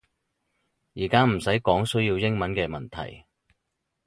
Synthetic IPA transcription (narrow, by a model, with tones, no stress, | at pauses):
jiː˨˩kaː˥m̩˨˩sɐ˨˥jkɔː˨˥ŋsɵ˥ɥjiː˧wjɪ˥ŋmɐ˨˦nkɛː˧mɐ˨nt̪ʰɐ̰˨˩j